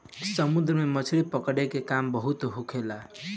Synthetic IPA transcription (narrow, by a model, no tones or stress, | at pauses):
sʌmud̪ɾʌmamʌt͡sʰuɾipʌkʌɽekekambʌɦut̪oɦukʰela